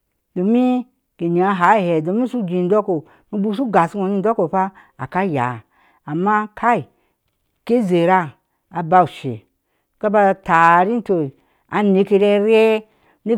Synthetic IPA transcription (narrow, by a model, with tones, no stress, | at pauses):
do˨mi˦ | ɡ̥e˨ni˨a˧˦ɦa˨˦˨he˨do˨mi˦su˦d͡ʒi˨n˦do˦ko˨ | mi˦bu˦s̬u˦ɡa˨su˦o˨ni˧n̩˦do˦ko˨pa˦ | a̰˨ka˦ja̰ː˨ | mːa˦kʰa˦i˨ | ke˦ze˨ɾa˦ | a˨ba˧u˨ʃḛ˨ | ka˦ba˧ta˨ɾi˦n˦to˧˨ | a˨ne˧ke˧ɾe˧ɾe˦ | ni˦